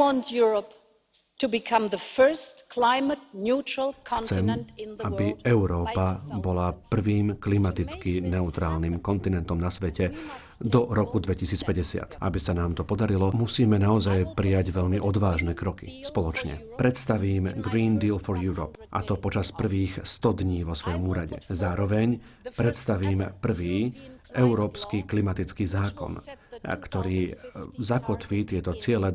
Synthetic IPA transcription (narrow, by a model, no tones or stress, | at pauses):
ɔ̃ntjuɹəp | tʰubɪkʰʌ̃mðəfɜ˞stkʰl̥aɪmət̚njut͡ʃɹəl̩ˠkkʰɔ̃t͡sɛmñnʔabiɛʊɾɔːpabɔlapr̩ʋiːmklimat̪it͡skinɛut̪ɾaːlniːmkɔnt̪inɛnt̪ɔmnasʋɛcɛ | d̪ɔɾɔkud̪ʋɛcisiːt͡spɛɟɛsɪa̰t̪ʔa̰bisanaːmt̪ɔpɔd̪aɾilɔmusiːmɛnaɔzajpɾijaɟʋɛʎmiʔɔd̪ʋaːʒnɛːkɾɔkḭspɔlɔt͡ʃɲɛ̰pɾɛt̪st̪aʋiːmɡɾiːnd̪iːlfɔɾjuɾɔ̰pʔa̰t̪ɔpɔt͡ʃaspr̩ʋiːxst̪ɔd̪ɲiːʋɔsʋɔjɔmuːɾaɟɛ̰zaːɾɔʋɛɲpɾɛt̪st̪aʋiːmpr̩ʋiːʔɛʊɾɔːpskiklimat̪it͡skiːzaːkɔ̰nkt̪ɔɾiːzakɔt̪ʋiːt̪ɪɛt̪ɔt͡sɪɛlɛ